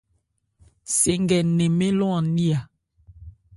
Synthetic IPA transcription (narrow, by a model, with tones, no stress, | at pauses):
se˨ŋɡɛ˨nɛ˨me˦lɔ̃˦a˨ni˦a˨